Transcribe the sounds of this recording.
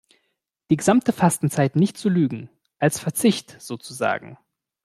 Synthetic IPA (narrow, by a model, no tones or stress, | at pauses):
d̥iːɡəzamtəfastn̩t͡saɪtnɪçt̚t͡sulyːɡŋ̩ | ʔalsfɛɐt͡sɪçtz̥oːt͡suza̰ːɡŋ̩